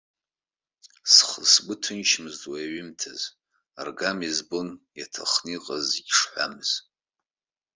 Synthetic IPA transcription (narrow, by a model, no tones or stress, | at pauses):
sχəsbʷʊtʰɨnʃʰmɨzdwajaɥɪmtʰaz | arɡamizbonjatʰa̰χniqʼaziɡʲʂħʷa̰mɨz̥